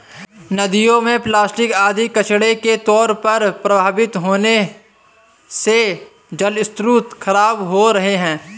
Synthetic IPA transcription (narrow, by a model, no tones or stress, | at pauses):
nɐd̪ijõmẽplaːsʈɪkaːd̪ikɐt͡ʃɽeket̪ɔːɾpɐɾpɾɐbʱaːbɪt̪ɦoːne | se | d͡ʒɐlɪst̪ɾut̪kʰɐɾaːbɦoɾɐɦeɦɛ̃ː